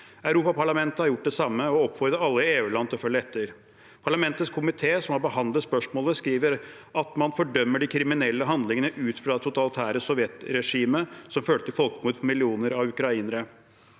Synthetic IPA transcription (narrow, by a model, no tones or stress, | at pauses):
œʉɾuːpɑpʰɑɭɑmɛnt̪əhɑɾjʊʈ̚ːd̪ɛsɑmːəɔɔpːfɔɾd̪əɑlːəɪeːʉːlɑnt̪ɪfœlːəɛt̪ʰːəɾ | pʰɑɭɑmɛnt̪ət̪skʰʊmɪt̪ʰeːsɔmhɑɾbəhɑnət̪spœʂmoːləskɾiːʋəɾ | ɑt̪mɑnfɔɖœmːəɖɪkʰɾɪmɪnɛlːəɦɑnd̪lɪŋənəʔʉːt̪fɾɑd̪ɛt̪ʰʊt̪ʰɑlɪt̪ʰæːɾəsɔʋjɛt̪ɾɛʂiːməsɔmføːɭət̪ʰɪlfɔlkəmuːd̪pʰɔmɪlɪuːnəɾɑʉkɾɑiːnəɾə